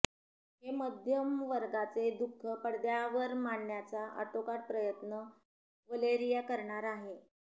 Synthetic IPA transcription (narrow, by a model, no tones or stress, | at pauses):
ɦeməd̪ʱjəmʋəɾɡat͡sed̪ukʰːəpəɽd̪jaʋəɾmaɳːjat͡saʔə̰ʈʰokaʈ̚pɾəjət̪nə | ʋəleɾijakəɾɳaɾaɦe